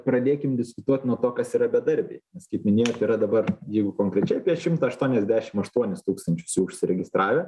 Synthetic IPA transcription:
pɾɐd̪ʲeːkʲɪmd̪ʲɪskʊt̪uɔt̪ʲnuɔt̪oːkɐsiːɾɐbʲɛd̪ɐɾʲbʲḛɪnʲɛskɐɪpmʲɪnʲeːjoːt̪iːɾɐd̪ɐbɐrjɛɪɡʊkoːŋkɾʲɛt͡ʃʲɛɪɐpʲiɛʃʲɪmt̪ɐːɐʃt̪uɔnʲɛzʲd̪ʲæːʃʲɪmɐʃt̪uɔnʲɪst̪uːkst̪ɐnʲt͡ʃʲʊ̥sjɛʊʊʃʲsʲɪɾʲɛɡʲɪst̪ɾɑːʋʲɛ

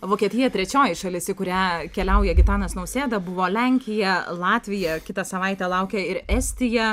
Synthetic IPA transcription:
ʋoːkʲiɛt̪ʲɪjɛt̪ʲɾʲɛt͡ʃʲoːjɪʃɐlʲɪsʲɪkʊɾʲæːkʲɛlʲɛʊjɛɡʲɪt̪ɑːnɐsnɐʊsʲeːd̪ɐbʊʋoːlʲɛŋʲkʲɪjɛlˠɑːt̪ʲʋʲɪjɛkʲɪt̪ɐsɐʋɐɪt̪ʲɛːlˠɐʊkʲɛɪɾɛsʲt̪ʲɪjɛ

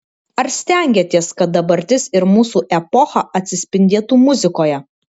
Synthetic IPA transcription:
ɐɾsʲt̪ʲæˑŋʲɡʲɛt̪ʲiɛskɐt̪̚d̪ɐbɐɾʲt̪ʲɪsɪɾmuːsuːʔɛpɔxɐʔɐt̪ʲsʲɪsʲpʲɪnʲd̪ʲeːt̪uːmʊzʲɪkoːjɛ

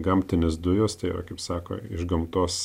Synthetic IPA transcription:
ɡɐmʲt̪ʲɪnʲɪsd̪ʊjost̪ɐɪɾɐ̰kɐɪpsɑːko̰ːɪ̰ʒɡɐmt̪oːs

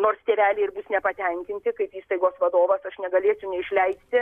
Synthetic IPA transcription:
noːrst̪ʲeːʋʲæːlʲeːɪrbʊsnʲɛpɐt̪ʲɛŋʲkʲɪnʲt̪ʲɪkɐɪpiːst̪ɐɪɡoːsʋɐd̪oːʋɐsɐʃnʲɛɡɐlʲeːt͡sʲɛʊnʲɛɪʃʲlʲɛɪsʲt̪ʲɪ

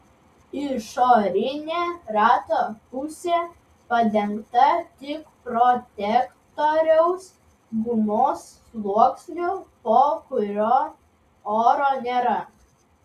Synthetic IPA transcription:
ɪʃoːɾʲɪnʲeːɾɑːt̪oːpʊsʲeː | pɐd̪ʲɛŋkt̪ɐt̪ʲɪkpɾɔt̪ʲɛkt̪oɾʲɛʊs | ɡʊmoːsːlˠuɔksʲnʲupoːkʊɾʲoː | oːɾoːnʲeːɾɐ

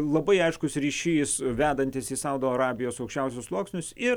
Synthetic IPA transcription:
lˠɐbɐɪɐɪʃkʊsɾʲiːʃʲiːsʋʲæːd̪ɐnʲt̪ʲɪsiːsɐʊd̪oːɐɾɑːbʲɪjoːsɐʊkʃʲt͡ʃʲɛʊsʲʊslˠuɔksʲnʲʊsɪ

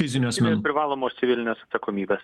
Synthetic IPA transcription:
fʲɪzʲɪnʲosmʲɛpʲɾʲɪʋɑːlˠoːmoːst̪ʲɪʋʲɪlʲɪnʲeːsɐt̪sɐkoːmʲiːbʲeːs

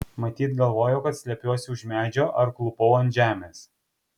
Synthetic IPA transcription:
mɐt̪ʲiːt̪ɡɐlˠʋoːjoːkɐt̪sʲlʲɛpʲuɔsʲɪʊʒʲmʲæːd͡ʒʲoːʔɐɾklˠʊpɔʊɐnt̪ʒʲæːmʲeːs

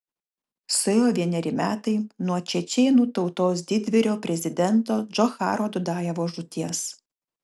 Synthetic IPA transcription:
sʊjoːʋʲiɛnʲɛɾʲɪmʲæːt̪ɐɪnuɔt͡ʃʲɛt͡ʃʲɛːnuːt̪ɒʊt̪oːs̬d̪ʲɪd̪ʲʋʲɪɾʲoːpʲɾʲɛzʲɪd̪ʲɛnt̪oːd͡ʒɔxɑ̰ːɾoːd̪ʊd̪ɑːjɛʋoːʒʊt̪ʲiɛs

